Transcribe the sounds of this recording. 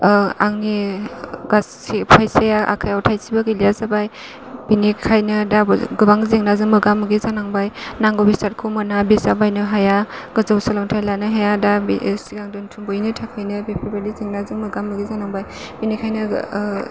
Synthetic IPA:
aŋni | ɡas | ipʰajsajaʔa̰kʰajawtʰajsibaɡɯlijazabaj | binikʰajnɯdaɡɯbaŋzeŋnazɯŋmɯɡamːɯɡizanaŋbajnaŋɡɔbisat̚kʰumɯnabisabajnɯɦajaɡ̥ɯzawsalamtʰajlanɯɦajada̰siɡaŋdɔntʰuŋbɔjnɯtʰakʰajnɯbepʰabalizeŋnazɯŋmɯɡamːɯɡizanaŋbaj | binikʰajnɯ

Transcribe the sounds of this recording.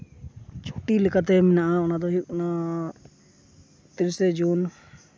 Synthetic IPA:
t͡ʃʰo̥ʈilɛkat̪ɛmɛnaʔaɔnad̪ɔɦikna | t̪iɾsɛd͡ʒun

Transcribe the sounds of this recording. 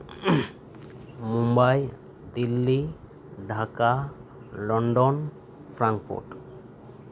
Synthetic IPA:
mumbaj | d̪ilːi | ɖʱaka | lɔɳɖon | fʰɾaŋkfṵɾʈ

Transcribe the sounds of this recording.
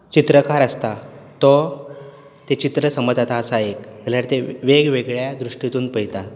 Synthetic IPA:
t͡ɕit̪ɾəkaɾəst̪at̪ɔ | t̪et͡ɕit̪ɾəsəməd͡zat̪aːsaekd͡zaljaɽt̪eʋeɡʋeɡɭjad̪ɾuʂʈit̪uːnpəɦjt̪at̪̚

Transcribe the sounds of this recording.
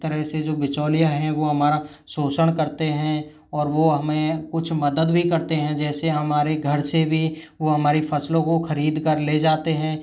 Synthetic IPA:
t̪əɾəɦsed͡ʒoːbɪt͡ʃoːlijaɦɛ̃ʋoɦɐmaːɾa | soːsəɽ̃kɐɾt̪eɦɛ̃ | ɔːɾʋoɦɐmẽkʊt͡ʃʰmɐd̪əd̪bʱikɐɾt̪eɦɛ̃d͡ʒɛːseɦɐmaːɾeɡʱɐɾsebʱi | ʋoɦɐmaːɾifɐslõkoxɐɾiːd̪kɐɾleːd͡ʒaːt̪eɦɛ̃ː

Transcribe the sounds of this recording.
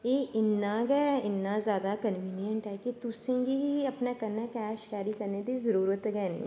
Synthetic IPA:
jeɪnːaɡɛːɪnːazjaːd̪akɐnʋiːnijə̃ɳʈɦɛkit̪ʊsẽɡiɐpnakɐɾnakɛːʃkaːɾikɐɾned̪izɐɾuːɾət̪ɡɛːñ̰ː

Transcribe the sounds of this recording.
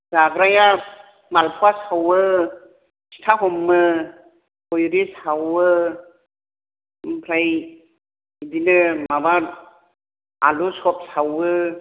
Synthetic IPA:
zaɡɾaja | malpʰuwasawɯ | si̥tʰaɦɔmːɯ | kɔjɾisawɯ | pʰɾaj | ibinɯmabaɾ | alusɔp̚sawɯ

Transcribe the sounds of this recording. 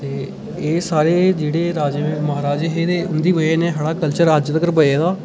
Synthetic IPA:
t̪eː | eːsaːɾeːd͡ʒeːɽeːɾaːd͡ʒeeməɦaːɾaːd͡ʒeːɦeːd̪eːʊnd̪iːʋəeːnẽːɦəɽaːkəlt͡ʃəɾaːd͡ʒt̪əɡəɾbəeːd̪aː

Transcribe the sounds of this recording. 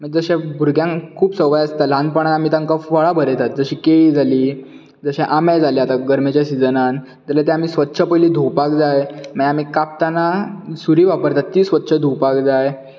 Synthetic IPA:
məd͡zəɕẽbʱuɾɡjãŋkʰuːpsəʋajast̪alãn̚pəɳ̃at̪am̤iːt̪ãŋkafəɭabʱəɾet̪at̪̚d͡zəɕiːkeid͡zʱaliː | d͡zəɕɛ̃ʔamajd͡zʱaleat̪aɡəɾmet͡ɕjasid͡zənan | d͡ʑalat̪ɛ̃am̤iːsʋət̪ːɕʰəpəjliːd̪ʱuwpakd͡zajməjam̤iːkap̚t̪anasuɾiːʋapəɾt̪at̪ːiːsʋət̪ːɕʰəd̪ʱuwpakd͡zaj

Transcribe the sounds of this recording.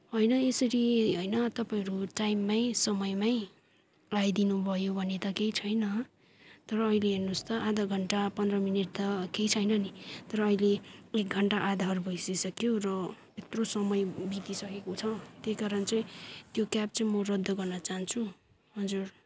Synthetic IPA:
ɦʌjnʌesʌɾiɦʌjnʌt̪ʌpaĩʌɾuʈajmːajsʌmʌjmaj | lajd̪inubʱʌjobʱʌnet̪ʌkejt͡sʰʌjnʌ | t̪ʌɾʌːileɦernust̪ʌʔad̪ʱʌɡʱʌɳʈapʌnd̪rʌmineʈ̚t̪ʌkejt͡sʰʌjnʌnit̪ʌɾʌːileek̚ɡʱʌɳʈaʔad̪ʱarubʱʌjsisʌkjorʌ | et̪rosʌmʌjbit̪isʌkekot͡sʰʌt̪jejkaɾʌnt͡sʌĩt̪jokjap̚t͡sʌĩmʌrʌd̪ʱːʌɡʌrnʌt͡saɦnt͡sʰu | ɦʌd͡zur

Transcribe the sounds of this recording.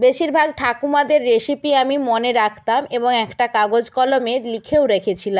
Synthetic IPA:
beʃiɾbʱaɡ̚ʈʰakumad̪eɾːeʃipiamimoneɾakʰt̪ameboŋɛkʈakaɡod͡ʑkɔlomelikʰewɾekʰet͡ɕʰilam

